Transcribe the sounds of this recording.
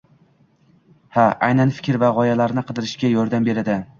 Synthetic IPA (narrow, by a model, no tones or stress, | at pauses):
haʔajnanfɪ̥kʲɾvaʁɒjalaɾnɪqʰɨd̪ɪɾɪʃkʲajɒɾd̪ambe̞ɾad̪ɪ